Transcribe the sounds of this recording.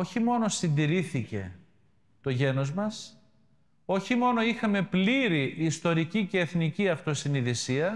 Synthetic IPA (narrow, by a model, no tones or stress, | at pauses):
o̞çimo̞no̞sind̪iɾiθice̞̰ | t̪o̞ʝe̞no̞zmɐs | o̞çimo̞no̞ixɐme̞pliɾiʔːst̪o̞ɾicice̞ːθniciɐft̪o̞siniðisiɐ